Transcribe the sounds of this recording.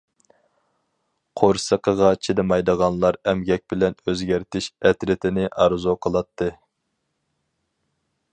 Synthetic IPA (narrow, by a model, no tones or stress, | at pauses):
qʰoɾsəqʰəʁɑt͡ʃʰid̪ɨmɑjd̪əʁɑnlˠɑɾɛmɡʲɛk̚ʲbɪlɛnøzɡʲæɾt̪ʰɪʃɛt̪ɾɪt̪ʰɪnɪʔɑɾzuqʰəlˠɑt̪ʰːɨ